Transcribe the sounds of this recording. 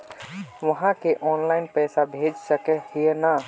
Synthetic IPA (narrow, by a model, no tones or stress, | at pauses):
ʋəɦãkeʔɔːnlaɪnpɛːsabʱed͡ʒsəkɛhijena